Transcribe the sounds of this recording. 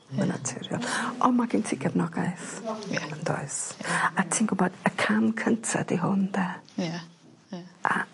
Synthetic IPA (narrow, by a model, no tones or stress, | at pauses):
məna̰tʰɪɾjɔ̰lˠʔɔmaɡɪntʰiːɡɛvnɔɡaɨθəndo̰ɨsatʰiːnɡʊbɔd̥əkʰamkʰəntʰa̰diɦʊndɛ | ʔa̰